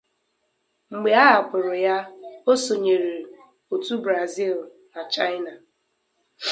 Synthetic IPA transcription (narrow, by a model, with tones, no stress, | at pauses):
ŋ͡m̩˨ɡ͡be˨a˦a˨k͡pʊ˨ɾʊ˨ja˦o˦so˨ɲe˨ɾe˨ | o˨tu˦bɾa˨zi˦˨l | na˨t͡ʃa˦ɪ˦na˨